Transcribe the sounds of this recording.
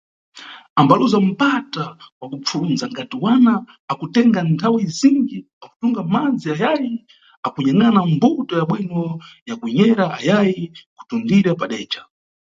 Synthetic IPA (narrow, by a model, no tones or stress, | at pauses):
ambaluzam̩patawakup͡fʰulunzaŋɡatiwanaː | kutɛŋɡantʰawiziŋɡi | aku̥tuŋɡamad͡ziajaji | akuɲaŋɡanambutɔjaɓwinɔjakuɲɛɾaajajiku̥tundiɾapaɗɛːt͡ʃḁ